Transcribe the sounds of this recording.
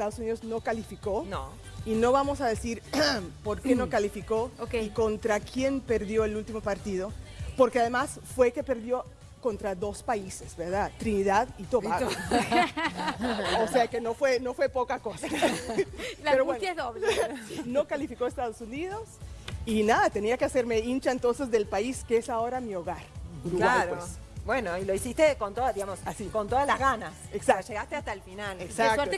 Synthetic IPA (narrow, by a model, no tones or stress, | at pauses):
est̪aðosuniðozno̞kalifiko̞no | ino̞βamo̞saðesiɾpo̞ɾkenokalifiko̞okeiko̞nt̪ɾakje̞npe̞ɾðjo̞elult̪imo̞paɾt̪iðo̞po̞ɾkeaðemas | fwe̞kepe̞ɾðjo̞ | ko̞nt̪ɾaðo̞spaisez̥beɾðat̪ɾiniðaðit̪oβaɣ | oseakenofweno̞fwe̞po̞kakosa | lpeɾowent̪jaezðoβleno̞kalifikoest̪aðosuniðo̞sinaðat̪e̞niakease̞ɾme̞int͡ʃaent̪o̞nse̞zðe̞lpaiskeesao̞ɾamio̞ɣaɾɡɾulaaɾes | bwenoiloisist̪ekont̪oðaðiɣamosasikont̪oðalazɣanaseksaʃeɣast̪east̪alfinaleksakeɾto